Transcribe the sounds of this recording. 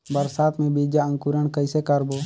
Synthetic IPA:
bəɾsaːt̪mẽːbiːd͡ʒaːə̃ŋkuːɾəɳkəɪseːkəɾboː

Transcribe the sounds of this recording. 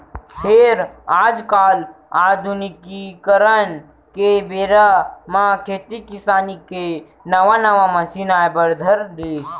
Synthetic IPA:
pʰɪɾaːd͡ʒkaːl | aːd̪ʱʊnikikəɾən | kebeːɾamãkʰeːt̪ikɪsaːnike | nəʋãnəʋaməsinaebəɾd̪ʱəɾd̪eː

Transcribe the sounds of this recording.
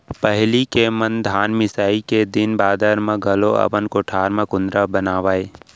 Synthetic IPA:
pəɦlikemənd̪ʱaːnmɪsaːiked̪ɪnbaːd̪əɾmãɡʱɐloɐ̰bənkoʈʰaːɾmãkʊ̃nd̪ɾabənaːʋaːe

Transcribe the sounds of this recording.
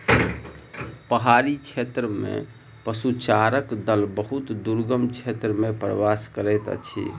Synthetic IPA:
pəɦaɾit͡ʃʰet̪ɾəmḛ̃ | pəsut͡ʃaɾəkd̪əlbəɦut̪d̪uɾɡəmt͡ʃʰet̪ɾəmẽpɾəʋaskəɾɛt̪ət͡ʃʰḭ

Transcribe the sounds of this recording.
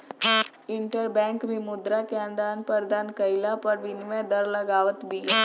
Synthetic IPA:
ɪ̃ɳʈəɾbɛ̃ːŋkbʱimʊd̪ɾakeə̃nd̪aːnpɐɾd̪aːnkəɪlapɐɾʋɪniʋẽd̪ɐɾlɐɡaːʋət̪bʱiː

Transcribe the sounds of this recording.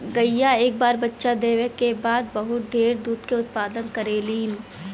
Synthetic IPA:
ɡɐijaeːk̚baːɾbɐtːʃad̪eːʋjəkːebaːd̪̚bɐɦʊt̪̚ɖʱeːɾd̪uːd̪keʊt̪̚paːd̪ənkɐɾeːliːn

